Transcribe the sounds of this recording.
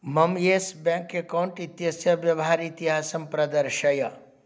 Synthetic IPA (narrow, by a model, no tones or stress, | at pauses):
mɐmjesbɛ̃ːŋkekawɳʈit̪jɐsjɐʋjɐʋɦaːɾit̪iɦaːsɐmpɾɐd̪ɐɾʃɐjɐ